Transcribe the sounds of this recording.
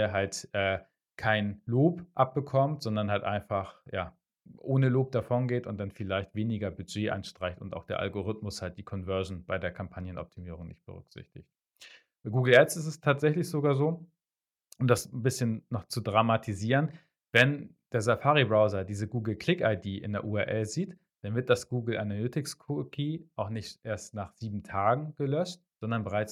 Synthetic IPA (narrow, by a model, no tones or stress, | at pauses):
ɐɦaltʔɛː | kʰaɪnloːpʔap̚b̥əkʰɔmtz̥ɔndɐnhaltʔa̰ɪnfaχjaː | ʔoːnəloːp̚d̥afɔnɡeːtʊnt̚d̥anfɪlaɪçtv̥eːnɪɡɐbyd͡ʒeːʔa̰nʃtʁ̥aɪçtʊ̰nta̰ʊxd̥eːɐʔa̰lɡoʁɪtmʊshalt̚d̥iːkʰɔnvœɐʒn̩b̥aɪdeːɐkʰampʰanjənʔɔ̰p̚tʰimiːʁ̞ʊŋnɪ̰çt̚b̥ə̰ʁʏ̰kz̥ɪ̰çtɪ̰çt | ɡuːɡl̩ɛtsɪstɛstʰaːtz̥ɛçlɪçz̥oɡaːɐzoː | ʊmdasbɪsçənːɔχt͡sudʁamatʰiziːʁən | vɛnd̥eːɐzafaːʁibʁaʊzɐdiːzəɡuːɡl̩kl̥ɪkaɪdiːʔɪ̰ndeɐʔuːɛɐʔɛlziːt | d̥anvɪɐt̚d̥asɡ̥uːɡl̩ʔa̰nalʏtɪkskʰʊkʰiːʔaʊxnɪçtʔeːɐstnaːχz̥iːbm̩tʰaːɡŋ̩ɡ̥əlœʃt̚ | z̥ɔndɐnbəʁaɪt͡s